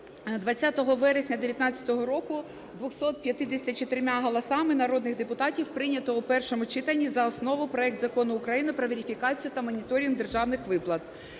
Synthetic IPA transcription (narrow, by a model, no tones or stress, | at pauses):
d̪ʋɐt͡sʲːat̪ɔɦɔʋɛɾesʲnʲɐd̪eʋʲjɐt̪nɑt͡sʲːɐ̥t̪ɔɦɔɾɔkʊ | d̪ʋɔxsɔt̪̚pʲjɐt̪ɪd̪esʲtʲɐt͡ʃɔt̪ɪɾmaɦɔlˠɐsɑmɪnɐɾɔd̪nɪxd̪epʊt̪ɑtʲiwpɾɪnʲɐt̪ɔupɛrʃɔmʊt͡ʃɪt̪ɐnʲːizɐɔsnɔʋʊpɾɔɛkt̪zɐkɔnʊːkɾɐjinɪpɾɔʋʲeɾʲifʲikɑt͡sʲijʊt̪ɐmɔnʲit̪ɔɾʲind̪e̞rʒɑwnɪxʋɪplˠɐt̪̚